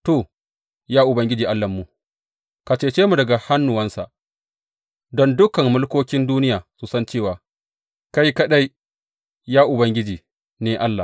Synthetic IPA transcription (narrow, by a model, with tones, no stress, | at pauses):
toː˨ | jaː˦ʔʊ˨bɐ˦ŋɡʲɪ˦d͡ʒiː˨ʔa˦lːɐ˨mːu˨ | ka˨t͡ʃeː˦t͡ʃeː˦mu˨dɐ˨ɡa˨ha˦nːʊ˨wɐ˦nsa˨ʔ | dɔ˦ndʊ˦kɐ˨mmʊ˦lkoː˦kʲɪ˦nduː˦nɪ˦jaː˨su˨sɐ˦nt͡ʃeː˦˨waː˨ | ka˦jkɐ˦ɗa˦j | jaː˦ʔʊ˨bɐ˦ŋɡʲɪ˦d͡ʒiː˨ | neː˦ʔa˦lːa˨